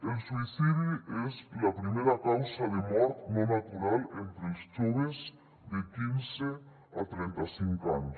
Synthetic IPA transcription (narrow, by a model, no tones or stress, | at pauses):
elsuiθiðiezlapɾimeɾakawsaðemɔɾt̪nonat̪uɾalent̪ɾelst͡ʃoβez | ðekinse | at̪ɾent̪asiŋkaɲos